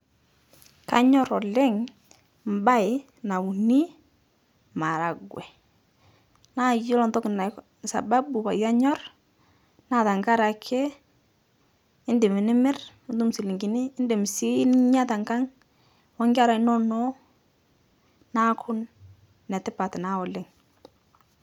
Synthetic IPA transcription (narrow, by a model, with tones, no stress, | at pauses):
ka̰˦ɲɔ˦ɾɔ˨lɛ˦ŋ | m˨ba˦ɪ˨ | na˨u˨ni˦ | ma˨ɾa˨ɡwɛ˨ | na˦jɪ˦lɔ˨ntɔ˦kɪ˨na˨ | sa̰˨ba˦bu˨pa˨ja˦ɲɔ˦r | na˦˨ta˨ŋka˦ɾa˨kʰe˦ | ɪ˦ndɪ˨mɪ˨nɪ˦mɪ˦ɾ | ndu˦msi˨lɪ˨ŋɡɪ˨nɪ˦ɪ˦ndɪ˨m˨si˦nɪ˦ɲa˦ta˨ŋɡa˦ŋ | wɔ˦ŋɡa˦ɾa˨ɪ˦nɔ˦nɔ˦ | na˦kʰʊ˦n | nɛ˨tɪ˦pa˨tɪ˨na˦ɔ˨lɪ˦ŋ